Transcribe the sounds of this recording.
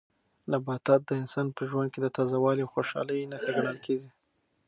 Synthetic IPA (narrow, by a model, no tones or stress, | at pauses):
nabɑt̪ɑt̪̚d̪əɪnsɑnpəʒwand̪̚ked̪ət̪ɑzawɑliawxoʃɑ̰ləjnaxaɡaɽ̃əlkʰezi